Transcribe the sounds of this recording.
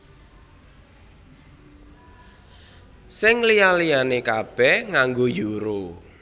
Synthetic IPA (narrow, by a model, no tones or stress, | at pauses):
sɪŋlijalijanekab̥ɛhŋaŋɡojuɾo